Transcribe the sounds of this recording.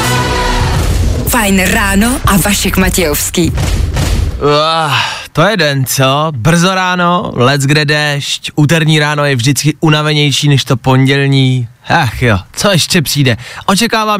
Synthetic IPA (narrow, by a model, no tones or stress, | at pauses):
fajnɾaːnoʔavaʃɛkmacɛjofskiː | a | t̪o̞jɛdɛnt͡sobr̩zo̞ɾaːno̞lɛd͡zɡdɛdɛʃcʔuːt̪ɛɾɲiːɾaːno̞jɛvʒdɪt͡skɪʔunavɛɲɛjʃiːnɛʃt̪o̞po̞ɲɟɛlɲiːhɛxjot͡soɛʃcɛpr̥iːdɛʔot͡ʃɛkaːvaː